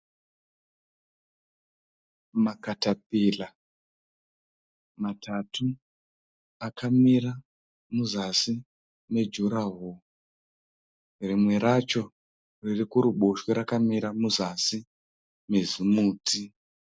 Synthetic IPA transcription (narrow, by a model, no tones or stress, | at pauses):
makatap̚iːla | matʰatu | akʰamiɾa | muzasi | me̞d͡ʒuɾaɦo | rimwe̞ɾat͡ʃo̞ | ririkuɾuɓoʃweɾakamiɾamuzasi | me̞zimuːtʰi